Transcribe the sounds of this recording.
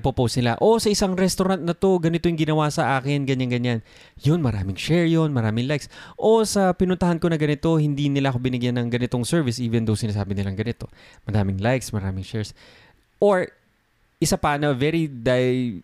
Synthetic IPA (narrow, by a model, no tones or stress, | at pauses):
popowst̪nɪla̰ʔo̞sɐʔɪsaŋɾɛst̪oɾant̪̚nɐt̪o̞ɡɐnɪt̪o̞jʊŋɡɪnɐwasɐʔaːkɪnɡɐɲaŋɡɐɲːan | jonmɐɾaːmɪŋʃɛɹjonmɐɾaːmɪŋlajksʔo̞sɐpɪnʊnt̪ɐhanko̞nɐɡɐnɪt̪o̞hɪnd̪inɪlaʔɐkobɪnɪɡjanːɐŋɡɐnɪt̪o̞ŋsɛɹvɪsʔiːvɛnd̪owsɪnaːs̬aːbɪnɪlɐŋɡɐnɪt̪o̞ | mɐɾaːmɪŋlajksmɐɾaːmɪŋʃɛɹs | ʔoɹ | ʔɪsapɐnɐvɛɾid̪aj